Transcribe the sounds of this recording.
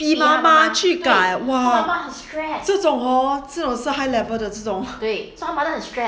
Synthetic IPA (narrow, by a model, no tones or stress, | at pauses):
pimamat͡ɕʰykaɪwaamahənstɹɛt͡sɤt͡sʊŋɔt͡sɤt͡sʊŋʂɹ̩ɦaɪlɛvəd̪ət͡sɤʈ͡ʂʊŋt̪wesãmad̪əənstɹɛ